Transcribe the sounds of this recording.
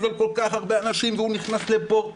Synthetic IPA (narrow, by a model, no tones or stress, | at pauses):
zolko̞lkaχhaʁbe̞anaʃimveuniχnasle̞po